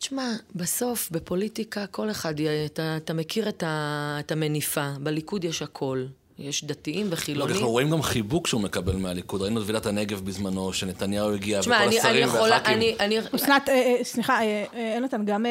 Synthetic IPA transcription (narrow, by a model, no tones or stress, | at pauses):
t͡ʃmabeso̞fbe̞po̞litikako̞le̞χadeataːtame̞kiʁetaetame̞nifabelikud̪jeʃhakʰo̞l | jeʃd̪atiimveχilonɡaiuʁoimɡamχibukʃeumekabelmealikud̪ʁainudvilat̪haneɡe̞vbizmano̞ʃene̞t̪anjauiɡiaʃmaanianijeχvolaaniʔaniosnat̪esniχaeenot̪anɡam